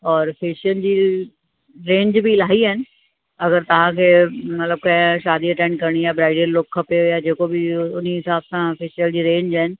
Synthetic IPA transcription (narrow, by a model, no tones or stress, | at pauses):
ɔːɾfeːʃənd͡ʑiː | ɾẽːɲd͡ʑbɪlaːiəɦɪnɪ̆ | ɐɡəɾt̪ɐʋ̤ãkʰeːmɐt̪ləb̚kɐ̃ɦɪ̃ʃaːd̪iɐʈɛ̃ːɳɖ̚kɐɾɽ̃iabɾaːɪɖeɾlʊkʰːɐpeojad͡ʑeːkobɪʊn̤iɦɪsaːbsãfeːʃəld͡ʑiːɾẽːɲd͡ʑaɦɪnɪ̆